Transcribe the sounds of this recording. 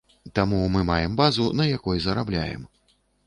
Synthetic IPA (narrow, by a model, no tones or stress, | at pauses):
t̪amumɨmajɛmbazunɐjakɔjzɐɾablʲa̰jɛ̰m